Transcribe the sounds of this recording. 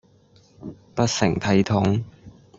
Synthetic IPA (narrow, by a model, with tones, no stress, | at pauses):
pɐ˥t̚sɪ˨˩ŋt̪ʰɐ˨˧jt̪ʰʊ˨˥ŋ